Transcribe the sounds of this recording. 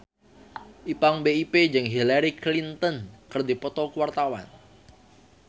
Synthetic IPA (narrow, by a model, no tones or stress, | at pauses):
ʔipaŋbeiped͡ʒɨŋɦilaɾiklint̪ənkərd̪ipɔt̪ɔkwart̪awa̰n